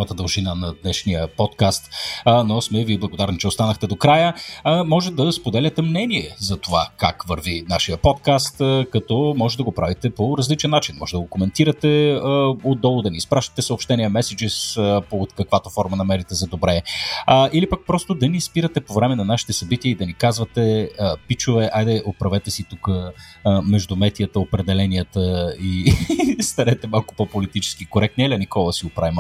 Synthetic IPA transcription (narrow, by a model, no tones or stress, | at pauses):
vət̪əd̪ɐlˠʒinanɐd̪nɛʃniəpɔt̪kast̪ːnosmɛviblˠɐɡod̪aɾnit͡ʃɛost̪anəxt̪ɛd̪okɾajəmɔʒɛd̪ɐspod̪ɛlʲət̪ɛmnɛniɛzɐt̪ovaka̰kvəɾvinaʃijəpɔt̪kast̪kɐt̪ɔmɔʒɛd̪ɐɡopɾavit̪ɛpoɾɐzlit͡ʃɛnːat͡ʃinmɔ̰ʒɛd̪ɐɡokomɛnt̪iɾət̪ɛ | od̪ɔlˠʊd̪ɐniːspɾaʃt̪ɐ̥t̪ɛsəopʃt̪ɛniɛmɛsɛd͡ʒispot̪kɐkvat̪ofɔɾmənɐmɛɾit̪ɛzɐd̪obɾɛ | ilipak̚pɾɔst̪od̪ɐnispiɾət̪ɛpovɾɛmɛnɐnaʃi̥t̪ɛsɐbit̪iəid̪ɐnikazvɐt̪ɛpit͡ʃʊvɛʔajd̪ɛʔopɾɐvɛt̪ɛsit̪ukə | mɛʒd̪ʊmɛt̪ijət̪əopɾɛd̪ɛlɛnijət̪əi | st̪ɐɾɛt̪ɛmalˠkʊ̥popolit̪it͡ʃɛ̥skikoɾɛk̚t̪niɛlʲɐnikɔlˠəsiɡopɾavim